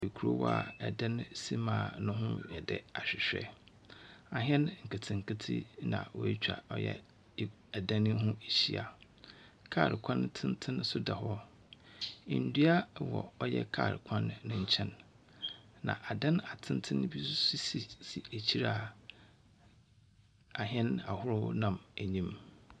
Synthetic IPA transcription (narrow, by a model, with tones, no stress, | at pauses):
i˨kʰu˦ɾo˦wɔ̰˦a˨ɛ˨dã˦n˦si˦mãː˨nʊ̃˦ɦʊ̃˦jɛ˨dɛ˨a˨ɕᶣɪ˨ɕᶣɛ̰˦ | a˨ɦɛ̃˦nŋ̩˨kʰa˨tʰɪ̃˨ŋ̩˨kʰa˦tʰḭ˦nã̰˨wɔ˨˦t͡ɕᶣa̰˨ɔ˦jɛ̰˦ | ɛ˨dã˦nɪ̃˦ɦʊ̃˦e˨ɕi˦a˨ | kʰaː˦˨ɾɪ˨kʷʰã˦n˦tʰɪ̃˦n˦tʰɪ̃˦n˦sʊ˦da˨hɔ˦ | ɪ˨n̩˨˦du˦a˦wɔ̰˨ɔ˦jɛ̰˦kʰaː˦˨ɾɪ˨kʰã˦nːʊ̃˦ɲ̩˦t͡ɕʰɛ̃˦nː | ã̰˨ʔa˨dã˦na˨tʰɪ̃˦n˦tʰɪ̃˦n˦bi˦si˦si˨si˨æ˨t͡ɕʰi˦ɾa˨ | a˨ɦɛ̃˦na˨hʊ˦ɾʊ̰˦nã˨mæ˨ɲĩ˦m